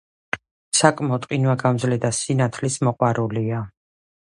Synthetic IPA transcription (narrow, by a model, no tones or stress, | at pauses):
sakʼmɔt̪ʼqʼinwaɡamzlɛd̪asinat̪ʰlismɔqʼwaɾulia